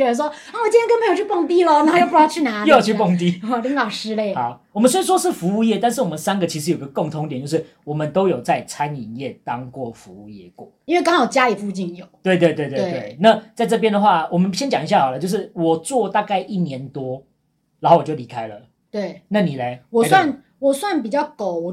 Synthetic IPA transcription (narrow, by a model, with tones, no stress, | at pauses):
ɛ˧˥ə˨˩ʂwɔ˥ | a˥˩wt͡ɕĩ˥jɛ˥knpʰjo˨˩t͡ɕʰy˥po˥˧ŋt̪i˥lə˨na˨˧˥jo˥˩˧t͡ɕʰy˥˩na˧˥jo˥˧jo˨˩t͡ɕʰy˥˧˩po˥˩ŋt̪i˥ɔ˥˩li˧˥ŋlɑ˨˩ʊʂɻ̩˧˥le˥˩ɪ˨˦wɔ˨mə˦nswe˥i˥˩ʂwɔ˦˥ʂɻ̩˥˩fu˧˦u˥˧jɛ˥˩t̪a˥˧nʂ̬̩˥˩˨wɔ˨˩mə̃˦nsa˥nɡə˨t͡ɕʰi˧˥ʂɻ̩˧˥ji˦ɡə˧ko˥˩ŋt̪ʰʊ˧˦ŋt̪jt͡ɕjo˧ʂɻ̩˥˩ | wɔ˨˩mə˨˦nt̪o˥ʊjo˨˩ʊt͡sa˥˩ɪt͡sʰa˦ni˨˩njɛ˥˩t̪ɑ˦˥ŋkwɔ˥˩fu˧˦u˥˩jɛ̰˥˩kwɔ̰˥˩i˥nwe˥˩ɪkɑ˥ŋxɑ˨˩ʊt͡ɕja˥i˨˩fu˥˧t͡ɕi˥˩njo˨˩˦ʊt̪we˥˧ɪt̪we˥˧we˥˧t̪we˥e˧˩we˥˩ɪna˥˨t͡sa˥˧ɪʈ͡ʂɤ˥˧p̬jɛ˦nd̪ə˨xwa˥˩wɔ˨˩mə˦nɕjɛ˥nt͡ɕjɑ˨˩ŋi˦ɕja˥˩xɑ˨˩lə˦t͡ɕjo˥˧ʊʂ̬ɻ̩˥˩wɔ˨˩t͡swɔ˥˧t̪a˥˧ka˥˧ɪʔi˥˩njɛ˧˦nt̪wɔ˥ | ɻa˨˥xo˥˩wt͡ɕo˥˩ʊli˧˥kʰa˥ɪlə˨ | t̪we˥˩ɪna˥˩ni˨˩le˨˦wɔ˨swa˥˩n | wɔ˨˩swa˥˩npi˨˩t͡ɕjɑ˥˩ʊko˨˩˦ʊwɔ˨˩